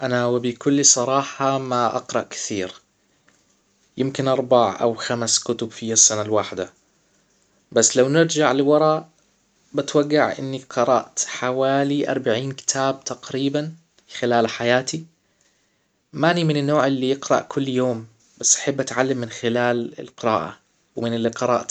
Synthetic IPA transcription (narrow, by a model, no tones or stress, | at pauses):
ʔanawɪbɪkʊlːisˤɑɾˤɑːħɑmaʔɑ̰qɾˤɑʔkɪ̥θiːɾ | jɪmkɪnʔɑɾˤbaʕʔa̰wxamskʊt̪ʊbfiasːanalwaħd̪a | basːlawnɪɾd͡ʒaʕlɪwɑɾˤɑ | bɪt̪waɡːaʕʔɪ̰nːiqɨɾˤɑ̰ʔt̪ħawaːliʔɑ̰ɾˤbaʕiːnkɪ̥t̪ʰaːb̚t̪aqɾiːban | xɪlaːlħajaːt̪i | manimɪnɪnːoːʕɪlːijɪqɾˤɑ̰ʔkʰʊlːjoːm | b̥asːʔaħabːʔat̪ʕalːamːɪnxɪlaːlɪ̰lqɨɾɑ̰ːʔa̰ | wmɪnɪlːiqɨɾˤɑʔt̪